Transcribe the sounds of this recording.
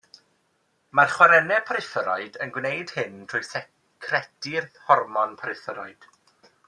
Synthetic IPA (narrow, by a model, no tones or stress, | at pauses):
marχwaɾɛnɛpʰɾɨθəɾɔɨdənɡwnejd̥hɪntʰrʊjsɛ | kʰrɛtɪrhɔrmɔnpʰaɾɨθəɾɔɨd̥